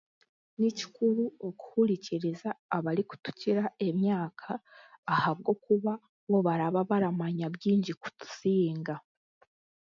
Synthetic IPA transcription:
nici̥kuɾuo̞ku̥huɾiciɾezaːβaɾiku̥tu̥ciɾae̞mjaːkʰaːhab̚ɡo̞kuβa | wo̞βaɾaβaβaɾamaɲabjiːɲɟiku̥tu̥siːŋɡa

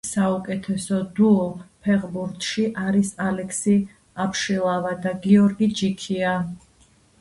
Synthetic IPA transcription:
saukʼɛt̪ʰɛsɔd̪uɔpʰɛʁbuɾt̪ʃiʔaɾisalɛkʰsi | apʰʃilˠavad̪aɡiɔɾɡid͡ʒikʰia

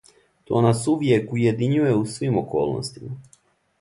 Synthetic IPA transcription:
t̪o̞̰ːnasuʋje̞kuje̞d̪iɲuje̞usʋimoko̞̰ːlˠno̰st̪ima

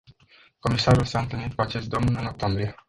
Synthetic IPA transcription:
ko̞misaɾulsaɨnt̪ɨlnit̪̚kuat͡ʃe̞st̪d̪o̞mnɨno̞k̚t̪o̞mbɾije̞

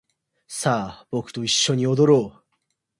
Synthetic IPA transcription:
saːbo̞kɯ̟̥t̪o̞iɕːo̞ɲ̟io̞d̪o̞ɾo̞ː

